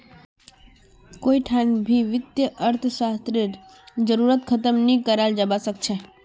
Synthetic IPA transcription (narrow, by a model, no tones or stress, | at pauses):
koiʈʰanbʱiʋɪt̪jəʔəɾt̪ʰsast̪ɾiɾ | d͡ʒəɾuɾət̪kʰət̪əmnikəɾald͡ʒəbasəkt͡ʃʰe